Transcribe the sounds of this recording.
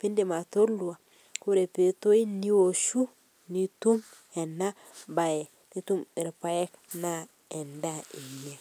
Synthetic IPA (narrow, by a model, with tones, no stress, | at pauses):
pi˦ndi˨ma˨to˦ɾlu˨wa˨ | ku˦ɾe˨pe˨to˦i˦ni˦wo˨ʃu˦ | ni˨tu˦m | e˨nːa˦ | ba˨je˨ | ni˦tu˦mi˨ɾpa˦je˦kna˦ | e˨nda˦i˨e˨